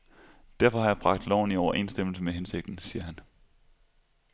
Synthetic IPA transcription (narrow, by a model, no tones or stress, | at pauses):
d̥æɐfɒ̽hɑ̈jɑ̈ɪb̥ʁɑ̈ɡ̥̚d̥lɒʊn̩iɒʊɐʔe̝̰ːnsd̥em̰l̩səmeɦense̝ɡ̥̚d̥n̩siːɐɦæn